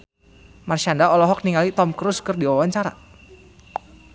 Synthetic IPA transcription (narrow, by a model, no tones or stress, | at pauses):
marʃandaɔlɔɦɔk̚niŋalit̪ɔmkɾuskərdiwawaɲt͡ʃaɾa̰